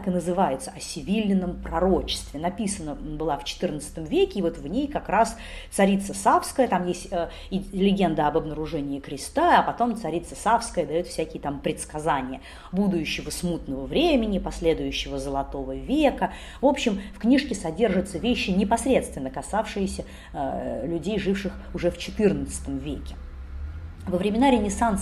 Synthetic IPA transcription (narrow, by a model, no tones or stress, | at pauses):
kɨnəzɨvajɪt̪səɐsʲɪvʲilʲːɪnːəmpɾɐɾot͡ɕɪ̥st̪vʲɪnɐpʲisənəbɨlˠaft͡ɕɪ̥t̪ɨrnət̪sɨ̥t̪əmvʲekʲɪːvo̞t̪vnʲejkɐkɾas | t̪sɐɾʲit̪səsafskəjət̪amjesʲtʲə | ɪlʲɪɡʲe̞nd̪əɐbɐbnəɾʊʐɛnʲɪːkɾʲɪst̪aɐpɐt̪o̞mt̪sɐɾʲit̪səsafskəjəd̪ɐjot̪fsʲækʲɪjət̪ampɾʲɪt̪skɐzanʲɪjə | bud̪ʊjʉɕːɪvəsmut̪nəvəvɾʲemʲɪnʲɪpɐsʲlʲe̞d̪ʊjʉɕːɪvəzəlˠɐt̪o̞vəvʲekə | vo̞pɕːɪmfknʲiʂkʲɪsɐdʲe̞rʐɨt̪səvʲeɕːɪnʲɪpɐsʲɾʲe̞t̪st̪vʲɪnːəkɐsafʂɨjɪsʲə | lʲʉdʲejʐɨfʂɨxʊʐɛft͡ɕɪt̪ɨrnət̪sɨ̥t̪əmvʲekʲɪ̥ | vəvɾʲɪmʲɪnaɾʲɪnʲɪsant̪s